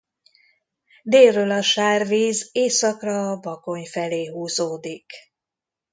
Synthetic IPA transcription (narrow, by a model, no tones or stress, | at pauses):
d̪eːlrøːlɒʃaːrviːzeːsɒkrɒbɒko̞ɲfɛleːɦuːzoːd̪ik